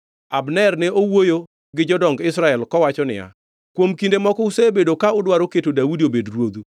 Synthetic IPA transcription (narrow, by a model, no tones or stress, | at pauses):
abnɛrnɛʔowojo | ɡɪd͡ʒɔdɔŋɡɪsɾaɛlkɔwat͡ʃɔnɪ̰ja̰ | kwomkindemɔkɔusebedokaʊdwaɾoketodaudiobedrwod̪u